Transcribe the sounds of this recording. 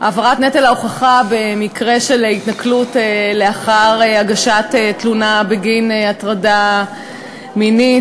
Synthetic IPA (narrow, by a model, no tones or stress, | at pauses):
ʔavaʁatnetelaoχaχabe̞mikʁe̞ʃelitnaklutele̞aχaʁeaɡaʃatetlunabeɡineatʁada | mini